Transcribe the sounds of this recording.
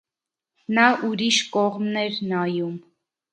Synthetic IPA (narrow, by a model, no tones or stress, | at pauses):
nɑʔuɾiʃkɔʁmnɛɾnɑjum